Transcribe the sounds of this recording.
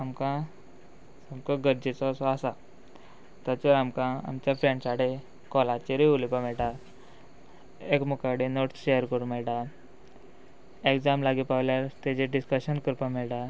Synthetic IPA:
amkã | samkaɡəɾd͡ʑet͡sɔsɔasa | t̪at͡ɕɔɾamkãa̰mt͡ɕjafɾẽɳsaɽe | kɔlat͡ɕeɾiulipamɛɭʈa | ekmukaɽenoʈɕejəɾkəɽumɛɭʈa | ekd͡zamlaɡipawljaɾt̪ed͡ʑeɖiskəɕənkəɾpamɛɭʈa

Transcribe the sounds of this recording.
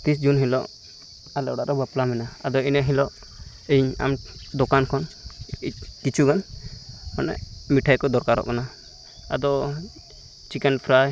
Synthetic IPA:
t̪isd͡ʒunɦilɔʔ | alɛʔɔɽaʔɾɔbaplamɛnaad̪ɔinəɦilɔʔ | əɲa̰md̪ɔkankʰɔn | kit͡ʃʰuɡan | manɛ̰ʔmiʈʰajkɔd̪ɔɾkaɾɔ̰ʔkana | a̰d̪ɔ | t͡ʃikɛnpʰɾaj

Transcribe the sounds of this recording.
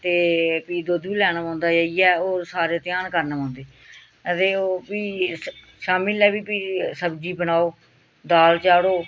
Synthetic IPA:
t̪eːpiːd̪oːd̪uːlɛːñaːãːnd̪aːd͡ʒaːijɛːoːsaːɾeːt̪ɪjaːnkəɾnaːãːnd̪eː | t̪eːopiː | ʃaːmilɛːbiːpiːsəbd͡ʒiːbənaːoː | d̪aːlt͡ʃaːɽoː

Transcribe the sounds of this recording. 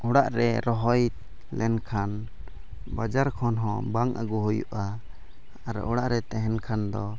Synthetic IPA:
uɽaʔɾɛɾɔɦɔj̪ | lɛnkʰan | bad͡ʒaɾkʰɔnɦɔ̃baŋʔa̰ɡuɦujṵʔaː | ɾ̰ʔɔɽaʔɾɛt̪ɛɦɛnkʰand̪ɔ

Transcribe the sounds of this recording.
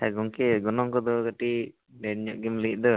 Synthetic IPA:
aɡɔŋkɛɡɔnɔŋkɔd̪ɔɡaʈi | ɖɛɲɔʔɡɛmliʔ̚ˀd̪ɔ

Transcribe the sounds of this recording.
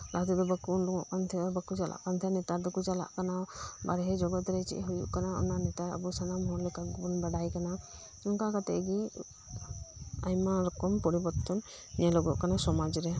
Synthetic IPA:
lat̪ud̪ɔbəkundɔŋɔʔkant̪ʰɛbəkud͡ʒalʔa̰ʔkant̪ʰɛnɛt̪aɾd̪ɔkud͡ʒala̰ʔkanabaɾɛɦɛd͡ʒɔɡɔt̪ɾɛt͡ʃḭʔɦujṵʔkanaɔ̰nanɛt̪aɾa̰busanamɦɔɾlɛkabɔnbaɽajkana | ɔŋkakat̪ɛ̰ɡi | ajmaɾɔkɔmpɔɾibɔɾt̪ɔn | nɛlɔɡɔʔkanasɔmad͡ʒɾɛ

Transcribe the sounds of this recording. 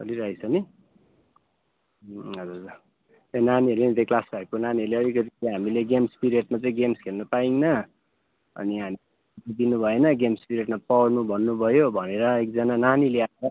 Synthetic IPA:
kʌliɾʌisʰʌni | ɦʌd͡zur | t̪enaniʌɾleit̪eklasbʱaekonaniʌɾleʌlikʌt̪iɦamileɡemspiɾeʈmat͡saĩɡemskʰernʌpaiŋnʌ | ʌ̰niɦami | tid̪inubʱʌenʌɡemspiɾeʈmapʌwrnubʱʌnːubʱʌjobʱʌneɾʌek̚d͡zʌnananileaʌ

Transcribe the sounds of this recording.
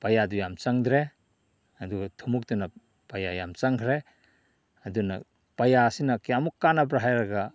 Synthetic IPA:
pajadujamt͡ʃaŋd̪ɾe | ɐduɡatʰumuk̚dunɐ | pajaja̰mt͡ʃaŋkʰɾe | ɐdunɐ̰ | pajasinɐkjamukːanabɾaɦajɾaɡa

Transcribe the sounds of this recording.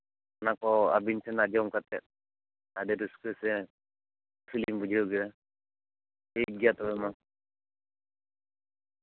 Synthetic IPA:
anakɔa̰binsɛnadiɔmkat̪ɛ̰t̪̚ | adɛduskɛsɛ | pʰilimbud͡ʒʱiɾɔɡiɾa | eɡijat̪ɔbɛma

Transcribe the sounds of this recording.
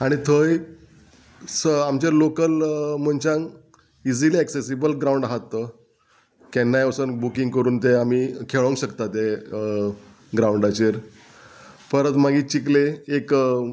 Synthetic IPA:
aɽ̃it̪ʰəj | səamt͡ɕeɾlokəlm̤əɳt͡ɕãŋ | id͡ziliɛksesibəlɡɾawuɳɖaɦat̪ːə | kɛnːajəsənbukiŋɡkəɾuːnt̪eamiːkʰeɭə̃ŋɕəkt̪at̪e | ɡɾauɳɖat͡ɕeɾ | pəɾət̪maɡiːt͡ɕikleːk

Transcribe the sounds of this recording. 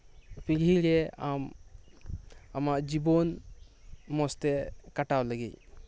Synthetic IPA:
pililɛam | amaʔd͡ʒibɔn | mɔst̪ɛkaʈawləɡḛj

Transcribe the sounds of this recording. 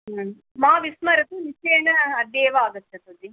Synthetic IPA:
maːʋismɐɾɐt̪unit͡ʃeːnɐɐd̪eːʋaːɡ̪ɐtːɐt̪ɐd̪i

